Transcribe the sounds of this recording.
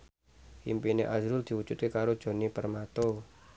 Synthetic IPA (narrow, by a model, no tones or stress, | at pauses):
impineʔazɾʊld̪̥i̤wud͡ʒut̪kekaɾod̥ʒ̥o̤nipərmat̪o